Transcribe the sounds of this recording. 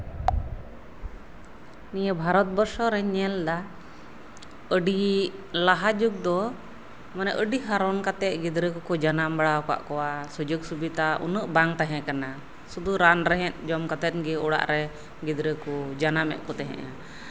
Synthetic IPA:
nijəbʱaɾɔt̪̚bɔɾsɔɾɛɲɛld̪a | əɖilaɦad͡ʒuɡ̚d̪ɔ | manɛʔəɖiɦaɾɔnkat̪ɛʔ̚ɡid̪ɾəkɔkɔd͡ʒanambaɽaɔka̰ʔkɔwasud͡ʒɔɡsubit̪aʔṵnəʔbaŋt̪aɦɛ̃kana | sud̪uɾanɾɛɦɛ̃t̪̚d͡ʒɔmkat̪ɛt̪̚ɡɛɔɽa̰ʔɾɛ | ɡid̪ɾəkud͡ʒanamɛ̰ʔ̪̚kɔt̪aɦɛ̰̃ʔa

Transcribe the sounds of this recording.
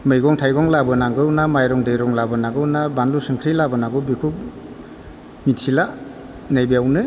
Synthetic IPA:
mɯjɡɔŋtʰajɡɔŋlabɯnaŋɡɯwnamajɾɔŋdɯjɾɔŋlabɯnaɡɯwnabanlusɯŋkʰɾilabɯnaɡɯbikʰuk̚ | mitsila | najbiawnɯ

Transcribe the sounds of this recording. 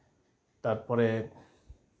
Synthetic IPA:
t̪aɾpɔɾe

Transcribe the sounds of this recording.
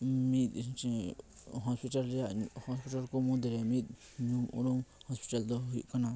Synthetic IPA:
mĩd̪st͡ʃĩɦospitalɾjahospitalkomũd̪eɾemĩd̪̚ | ɲũṵ̃ɾũmhospi̥tald̪oɦḭʔkanã

